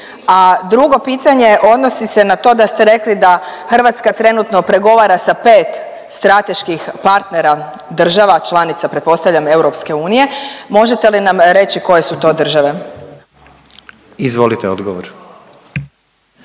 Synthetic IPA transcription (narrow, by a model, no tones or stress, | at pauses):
ad̪ɾuɡo̞piːt̪aɲe̞ʔo̞d̪nosisenat̪o̞d̪ast̪eɾe̞klid̪axr̩ʋat̪skat̪ɾe̞nut̪no̞pɾe̞ɡo̞ʋaɾasape̞ːt̪ | st̪ɾat̪e̞ʃkixpaɾt̪neɾa | d̪r̩ʒaʋat͡ʃlˠanit̪sapɾet̪po̞st̪aʋʎʲame̞wɾo̞pske̞uːnije̞mo̞ʒet̪elinamɾe̞t͡ɕiko̞jesut̪o̞ːd̪r̩ʒaʋe̞ | izʋolit̪eod̪ɡoʋo̰ɾ